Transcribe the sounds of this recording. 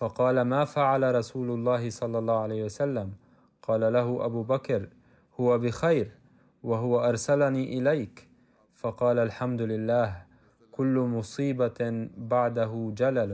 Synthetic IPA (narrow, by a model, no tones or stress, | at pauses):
fɑqɑːlamaːfaʕalaɾˤɑsuːlʊlˤːɑːɦɪsˤɑlːɑlˤːɑːhʕalaːhwasalːam | qɑːlalaɦʊʔabuːbakɾ | hʊwabɪxajɾ | waɦʊwaʔɑɾˤsalaniːʔɪlajk | fɑqɑːlalħamd̪ʊlɪlːaːh | kʊlːʊmʊsˤiːbabaʕd̪aɦʊd͡ʒalal